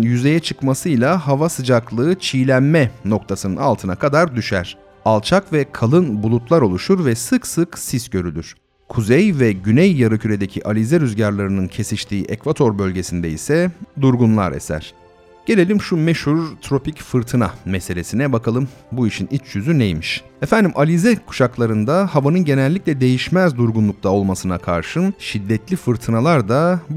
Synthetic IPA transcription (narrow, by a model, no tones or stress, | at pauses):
njyze̞jɛt͡ʃʰɯkmasɯjlˠaɦavasɯd͡ʒaklˠɯːt͡ʃʰijlʲænmɛno̞k̚t̪ʰasɯnɯ̰na̰lˠt̪ʰɯnakʰad̪aɾd̪yʃæ̰ɾ̥ | alˠt͡ʃʰakvɛkʰalˠɯnbulˠut̪lˠaɾo̞lˠuʃuɾvɛsɯksɯksisɟø̞ɾylʲyɾ̥ | kʰuzɛjvɛɟynɛjːaɾɯcʰyɾe̞d̪e̞cʰiʔalʲizɛɾyzɟaɾlˠaɾɯnɯncʰe̞siʃt̪ʰiːʔɛkvat̪ʰo̞ɾbølʲɟe̞sind̪ɛisɛd̪uɾɡunlˠa̰ɾḛsæ̰ɾ̥ | ɟ̥e̞lʲe̞lʲimʃumɛʃhuɾt̪ʰɾo̞picfɯɾt̪ʰɯna̰mɛse̞lʲe̞sinɛbakʰalˠɯmbuiʃinit͡ʃʰjyzynejmiʃefænd̪imʔalʲizɛkʰu̥ʃaklˠaɾɯnd̪ahavanɯnɟe̞nɛlʲːicʲlʲɛd̪e̞jiʃmɛzd̪uɾɡunlˠuk̚t̪ʰao̞lˠmasɯnakʰa̰ɾʃɯnʃid̪ːɛt̪lʲifɯɾt̪ʰɯnalˠaɾd̪a